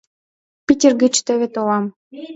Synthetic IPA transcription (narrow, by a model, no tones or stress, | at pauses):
pʲitʲerɡĕt͡ɕt̪ø̆βĕt̪olɑm